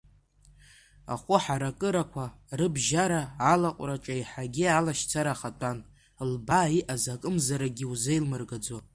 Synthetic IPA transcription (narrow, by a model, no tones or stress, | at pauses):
a̰χʷʊħaɾakʼɨɾakʷʰa | rɨbʒaɾaːlaqʷʼraʈ͡ʂʼaiħaɡʲialaʃt͡sʰaɾaχatʼan | lbaiʔazakʼɨmzaɾaɡʲɪuzejlmɨrɡad͡za